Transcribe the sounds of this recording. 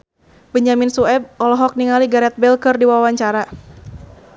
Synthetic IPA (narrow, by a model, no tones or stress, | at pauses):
bəɲd͡ʒaminsuɛb̚ɔlɔɦɔk̚niŋaliɡaɾɛt̪̚bɛlkɨrdiwawaɲt͡ʃaɾa